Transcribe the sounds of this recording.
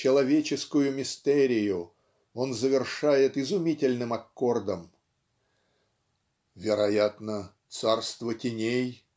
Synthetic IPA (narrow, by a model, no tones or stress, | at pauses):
t͡ɕɪlˠɐvʲet͡ɕɪskʊjʊmʲɪst̪ɛɾʲɪjʊ | o̞nzəvʲɪrʂajɪt̪ɪzʊmʲitʲɪlʲnɨmɐkːo̞rd̪əm | vʲɪɾɐjat̪nət̪sarst̪vətʲɪnʲej